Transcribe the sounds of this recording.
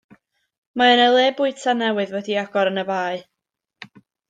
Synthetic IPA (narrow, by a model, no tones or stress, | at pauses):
maənəlˠeːbʊɨtʰanɛwɨðwɛdiaɡɔɾənəbaːɨ